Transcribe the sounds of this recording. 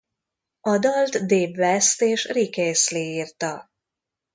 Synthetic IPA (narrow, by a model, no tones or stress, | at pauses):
ɒd̪ɒlt̪d̪eːbvɛst̪eːʃrikeːsliiːrt̪ɒ